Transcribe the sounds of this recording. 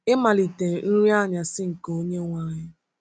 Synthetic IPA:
ɪ˦ma˨li˨te˨n̩˦ɾi˦a˦˨ɲa˨sɪ˦ŋ̩˨ko˦ɲe˦ŋʷa˦ɲɪ˦

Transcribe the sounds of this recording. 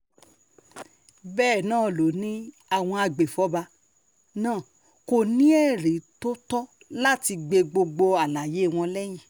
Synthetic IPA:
bɛː˦˨nãː˦˨lo˨˦nĩ˦ | a˦˨w̃ɔ̃˧a˧ɡ͡be˨fɔ˨˦ba˧ | nãː˦˨ | ko˧˨nĩ˦ɛ˦˨ɾe˨˦to˦tɔ˦ | la˦ti˧ɡ͡be˧ɡ͡bo˧ɡ͡bo˧a˨la˨je˨˦˨w̃ɔ̃˧lɛ˦j̃ĩ˦˨

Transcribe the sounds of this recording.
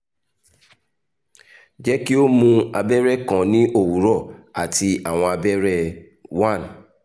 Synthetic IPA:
d͡ʒɛ˦ki˦o˦mũ˧a˧bɛ˦ɾɛ˦kã˨nĩ˦ʔo˦˨wu˨˦ɾɔ˦˨a˨ti˧a˨w̃ɔ̃˧a˧bɛ˦ɾɛ˦˨ | wã˦˨n

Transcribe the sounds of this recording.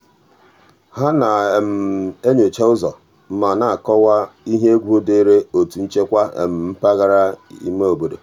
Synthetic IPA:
ha˦na˨m̩˨e˦ɲo˨t͡ʃe˦ʊ˦zɔ˨ | m̩˦ma˨na˨a˨kɔ˦wa˦i˦ɦe˦e˦ɡʷu˦o˦de˦ɾe˦o˨tu˨n̩˦t͡ʃe˦kʷa˦ḛ˨m̩˨m̩˦pa˦ɣa˦ɾa˦ḭ˦me˦o˨bo˨do˨

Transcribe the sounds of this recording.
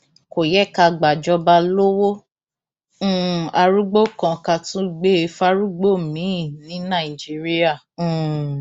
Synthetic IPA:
ko˨jɛ˦˨ka˧ɡ͡ba˨d͡ʒɔ˧ba˧lo˦wo˦˨ | a˧ɾu˦ɡ͡bo˦kã˧ka˧tũ˦˧ɡ͡be˦e˧fa˦ɾu˦ɡ͡bo˦˨mĩ˨˦˨nĩ˨˦nã˦˨i˨d͡ʒi˦ɾi˦ã˦˨˦

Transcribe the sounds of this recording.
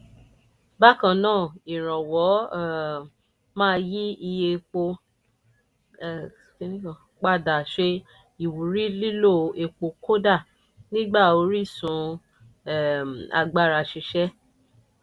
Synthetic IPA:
ba˦kã˧nãː˦˨i˨ɾ̃ã˨wɔ˨˦˨ | mãː˦˧ji˦i˧je˧k͡po˧˨ | e˦nĩ˦˨ | k͡pa˦˨da˨ʃe˧ | i˨wu˨ɾi˦li˦lo˦˨e˧k͡po˧kʰo˦da˦˨ | nĩ˦ɡ͡ba˦˨o˨˧ɾi˦˨sũ˨˦˨ | a̰˧ɡ͡ba˧ɾa˧ʃi˧ʃɛ˦

